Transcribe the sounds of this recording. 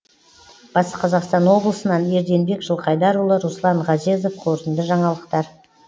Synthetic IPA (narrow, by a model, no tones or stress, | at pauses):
b̥ɑsəqʰɑzɑqst̪ɑnwo̞blˠəsənɑne̞ɾd̪e̞nbe̞kʒəlˠqʰɑjd̪ɑɾulˠəɾuslˠɑɴʁɑze̞zofqʰoɾt̪ənd̪əʒɑɴɑlˠəqt̪ɑɾ